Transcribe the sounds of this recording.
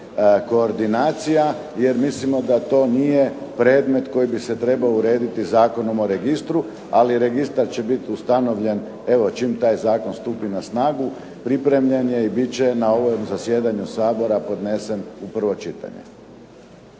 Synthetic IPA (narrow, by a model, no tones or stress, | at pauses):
ko̞ːɾd̪inaːt̪sija | jeɾmislimo̞d̪at̪o̞ːnije̞pɾe̞ːd̪me̞t̪ko̞jibiset̪ɾe̞baouɾe̞ːd̪it̪izaːko̞no̞mo̞ɾe̞ɡist̪ɾu | aliɾeɡist̪aɾt͡ɕe̞bit̪iust̪ano̞ʋʎe̞n | e̞ʋo̞t͡ʃimt̪aːjzaːko̞nst̪uːpinasnaːɡu | pɾipɾe̞mʎe̞nje̞ibit͡ɕe̞nao̞ʋomzasjeːd̪aɲusaːbo̞ɾapo̞d̪nese̞mupr̩ʋo̞t͡ʃit̪a̰ɲḛ